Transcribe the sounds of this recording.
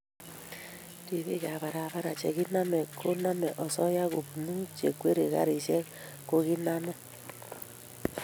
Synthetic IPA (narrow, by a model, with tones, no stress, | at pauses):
ɾi˨βe˦ɣa˨βa˨ɾa˨βa˦ɾa˨t͡ʃɛ̰˨ɣi˦na˦mɛ˨kʰo˦na˦mɛ˨ʔɔ˨sɔ˦ja˦ɣo˨pnu˦t͡ʃe˨kwe˦ɾe˨ka̰˦ɾi˨ʃɛ˦ | ko˦ɣi˦na˦mɛ˦